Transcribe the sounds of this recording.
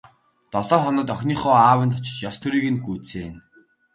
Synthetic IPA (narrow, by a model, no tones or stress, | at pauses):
t̪ɔɮɔːχɔnɔ̆ːt̪œxʲniːχʊːaːwə̆nt̪ʰʊ̥t͡ɕɪ̥̆t͡ɕjɔst̪ʰuɾiːɣɘ̆nɡuːt͡seːn